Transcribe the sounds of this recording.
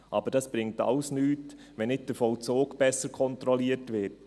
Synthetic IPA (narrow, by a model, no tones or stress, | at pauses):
ʔɑ̰bəɾd̥ɑsb̥ɾɪŋ̚tɑ̰ləsnyːt | ʋɛnɪt̚d̥əfɔʊt͡soːkb̥ɛsəɾkʰɔnt̪ɾɔliətʋɪt